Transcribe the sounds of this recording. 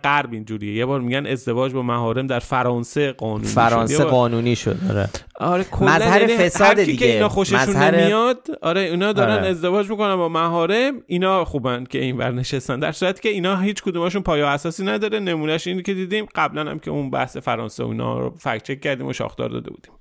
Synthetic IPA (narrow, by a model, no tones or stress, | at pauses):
ɢæɾbind͡ʒuːɾijeje̞bɒːɾmiɟæne̞zd̪e̞vɒːd͡ʒbɒːmæɦɒːɾe̞md̪æɾfæɾɒːnse̞ɢɒːnṵːn̰ːʃɾɒonjseeɒːnuːniʃo̰d̪ɒ̰ɾe | ɒɾekʰomælzːæhæjæɾniesæɾd̪ʰiikʰeiːnɒːxo̞ʃeʃunːeɾmijɒd̪ɒːɾeiːnɒːd̪ɒːɾæne̞zd̪e̞vɒːd͡ʒmiːkonænbɒːmæɦɒːɾe̞miːnɒːxuːbæncʰʲe̞invæ̰ɾneʃest̪ænd̪æɾsuːɾæt̪ʰi̥ːcʰe̞iːnɒːɦiːt͡ʃʰkʰod̪umæʃunpʰɒːjeæsɒːsiːnæd̪ɒːɾe̞ne̞muːnæʃince̞d̪iːd̪imɢæblænhæ̰mcʰe̞unbæ̰hse̞fæɾɒ̰ːnseo̰ḭːnɒ̰ːɾo̰fæ̰kt͡ʃʰekʲcːæɾd̪iːmoʃɒ̰xd̪ɒ̰ːɾd̪ɒ̰ːd̪e̞bṵːd̪iːm